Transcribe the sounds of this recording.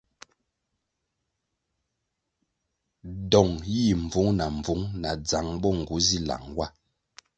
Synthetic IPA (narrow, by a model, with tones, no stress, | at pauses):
dɔ˨ŋji˦˨ɱ̩˨vu˨˦ŋna˨ɱ˨vu˨˦ŋna˨d͡za˨ŋbɔ˦ŋ̩˨ɡu˨˦zi˦la̰˨ŋwa˦